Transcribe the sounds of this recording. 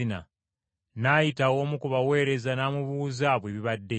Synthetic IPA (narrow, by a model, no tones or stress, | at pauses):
ina̰ | najitawo̞ːmukuβawe̞ːɾe̞zanaːmuβuːzaβweβiβadːe